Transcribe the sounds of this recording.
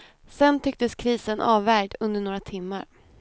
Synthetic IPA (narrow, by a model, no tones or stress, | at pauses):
sɛnt̪ʰʏk̚t̪əskʰɾiːsənʔɑːvːæɾd̪ɵnd̪əɳoːɾat̪ʰɪmːa̰ɾ